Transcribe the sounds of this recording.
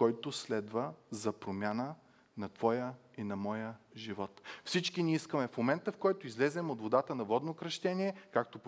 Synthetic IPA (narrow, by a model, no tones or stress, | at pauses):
kɔjt̪oslɛd̪vəzɐpɾomʲjanə | nɐt̪v̥ɔjəinɐmɔjəʒivɔt̪fsit͡ʃkiniiskəmɛfmomɛnt̪əfkɔjt̪oizlɛzɛmot̪vod̪at̪ənɐvɔd̪nokɾɐʃt̪ɛniɛkak̚t̪op